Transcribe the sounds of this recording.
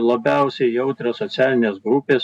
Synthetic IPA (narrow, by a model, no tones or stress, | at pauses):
lˠɐbʲɛˑʊsʲɛɪjɛʊt̪ʲɾʲɛsot̪sʲæːlʲɪnʲeːsɡɾʊpʲeːs